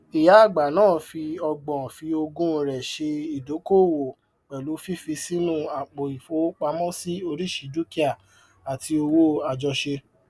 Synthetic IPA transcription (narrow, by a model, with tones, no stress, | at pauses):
i˨ja˨˦˨ɡ͡ba˨nãː˦˨fi˧ɔ˧ɡ͡bɔ̃˨fi˧o˧ɡũ˦˨ɾɛ˨ʃe˧i˨do˨˦ko˦˨wo˨ | k͡pɛ˨lu˨˦fi˦fi˧si˦nũ˦˨a˨k͡po˨i˨fo˨˦k͡pa˧mɔ̃˦si˦o˧ɾi˦˨ʃi˧du˦ki˦a˦˨ | a˨ti˧o˧wo˦a˨d͡ʒɔ˧ʃe˧